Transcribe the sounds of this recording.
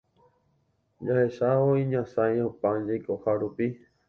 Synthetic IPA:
d͡ʒahe̞ʃaoĩɲãsãj̃õpãd͡ʒajkohaɾupi

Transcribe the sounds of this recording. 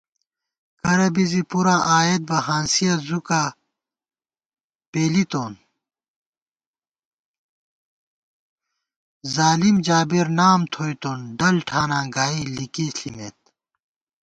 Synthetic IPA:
kɐɾɐbizipuɾaʔaːeːt̪̚bɐɦãːnsijɐzuka | peːlit̪oːn | zaːlimd͡ʑaːbiɾnaːmt̪ʰoːjt̪oːnɖɐlʈʰaːnãːɡaːilikiːɬḭmeːt̪̚

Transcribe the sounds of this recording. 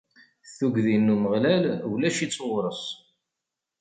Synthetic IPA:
θuɡðinːuməʁlælwlæʃit͡sːoʁɾˤəs

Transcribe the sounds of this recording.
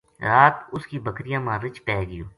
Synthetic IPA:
ɾaːt̪ʊskiːbəkɾɪjãːmãːɾɪt͡ʃpɛːɡɪjoː

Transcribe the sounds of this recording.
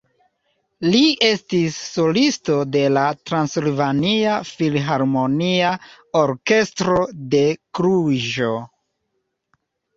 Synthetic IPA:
liʔe̞stisːolisto̞de̞latɾansilvaniafilɦaɾmo̞nia | oɾke̞stɾo̞de̞kɾuʒo̞

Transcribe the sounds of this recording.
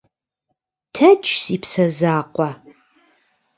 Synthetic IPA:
tʰɐt͡ʃʰsipʰsɐzaːqʷʼa

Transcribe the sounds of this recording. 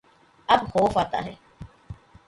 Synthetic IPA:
ɐbxoːfaːt̪a̰ːɦɛː

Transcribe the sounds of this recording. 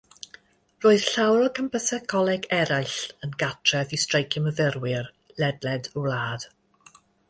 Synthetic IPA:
roːɨð̥ɬawɾɔkʰəmpəsɛkʰɔlˠɛɡɛɾajɬənɡatʰrɛðistrejkʰɪməvɪrwɪr | lɛdlɛdulaːd̥

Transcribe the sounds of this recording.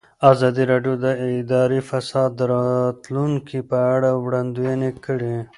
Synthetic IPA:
ɑzɑd̪iɾɑɖjod̪əɪd̪ɑɾifasɑd̪ːəɾɑt̪luŋkipəaɽawɽand̪ujanekəɽi

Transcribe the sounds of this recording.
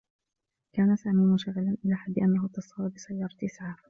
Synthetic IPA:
kaːnasaːmiːmʊʃaɣːɪlanʔɪlaːħad̪ːɪʔanːaɦʊt̪ːɑsˤɑbɑbɪsajːɑːɾˤɑt̪ʔɪsʕaːɾ

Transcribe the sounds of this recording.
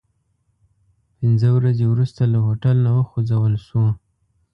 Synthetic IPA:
pɪnzəwɾazewɾust̪alaɦoʈalnawəxod͡zawəlʃwo

